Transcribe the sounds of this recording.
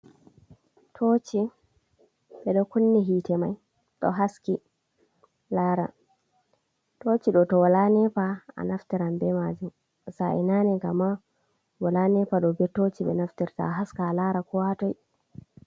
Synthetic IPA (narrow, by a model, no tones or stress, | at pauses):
tʰot͡ʃi | ɓɛɗɔkunːɛɦiːtɛmaj | ɗɔ̰ɦaski | laːɾa̰ | tot͡ʃiɗɔtɔwalanɛpaa̰naftiɾambɛmad͡ʒum | saɛ̰nanɛɡamːa | walanɛpaɗɔbɛtot͡ʃiɓɛ̰naftiɾta̰ɦaskalaɾakuwatɔj